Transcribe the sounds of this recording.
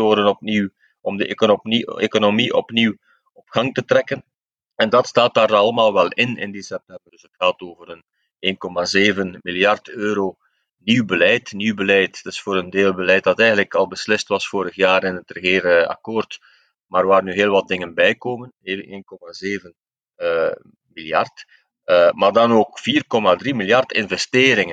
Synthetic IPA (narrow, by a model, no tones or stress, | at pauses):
oːɾənɔp̚niw | ʔɔmdəʔḛkopiekonomiʔɔ̰pniw | ɔpxɑŋtətrɛkən | ɛndɑtstaːt̚daːɾɑləmaːlˠʋɛlˠʔɪnɪ̰ndisɛp̚tɛmbərdsətxaːtoːvəɾən | eːnkɔmaːzeːvənmiljɑrtøːɾoː | niwbəlɛjtniwbəlɛjtɪsfoːɾəndeːlˠbəlɛjt̚dɑtɛjɣəntləkɑlˠbəslɪstʋɑsfoːɾəxjaːɾɪnətrəɣeːɾɑ̰koːrt | maːrʋaːrnyɦeːlˠʋɑt̚dɪŋənbɛjkoːməneeːnkɔmazeːvən | miljɑ̰rt | əmaːrdɑnoːkfiːrkɔmadrimiljɑrtɪnvɛsteːɾɪŋən